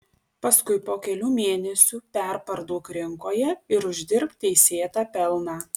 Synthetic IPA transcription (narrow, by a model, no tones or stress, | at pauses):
pɐskʊɪpoːkʲɛlʲuːmʲeːnʲɛsʲuːpʲɛˑɾpɐɾd̪oːkɾʲɪŋkoːjɛɪɾʊʒʲd̪ʲɪɾpt̪̚ʲɛɪsʲeːt̪ɑːpʲɛlˠnɑː